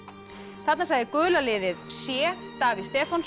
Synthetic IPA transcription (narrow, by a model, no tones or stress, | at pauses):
θat̪nasaɣðɪkʏːlalɪːðɪðsjɛːt̪aːvið̥st̪ɛːfans